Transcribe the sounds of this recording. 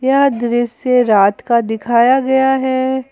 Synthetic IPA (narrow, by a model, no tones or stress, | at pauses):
jɐɦd̪ɾɪseɾaːt̪kad̪ɪkʰaːjaɡɐjaɦɛ